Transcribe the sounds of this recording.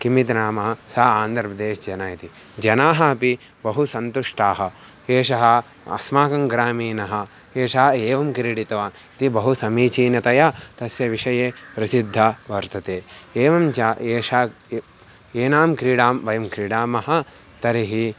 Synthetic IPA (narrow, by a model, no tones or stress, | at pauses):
kimit̪naːmɐɦɐsɐɐaːnd̪ɐɾpɐd̪eːʃd͡ʒɐnaːjɐt̪i | d͡ʒɐnaːɦɐɐpi | bɐɦusɐnt̪uʂʈaːɦɐ | eːʃɐɦɐ | ɐ̰smaːkɐŋɡɾaːmiːnɐɦɐ̆ | eːʃɐɦɐeːʋɐmkɾiɽit̪ɐʋaːn | t̪ibɐɦusɐmiːt͡ʃiːnɐt̪ɐjat̪ɐsjɐʋiʂɐjeːpɾɐsid̪ʱːɐʋɐɾt̪ɐt̪eːeːʋɐmt͡ʃaeːʃa | eːnaːmkɾiːɽaːmʋɐjɐmkɾiːɽaːmɐɦɐ | t̪ɐɾiɦi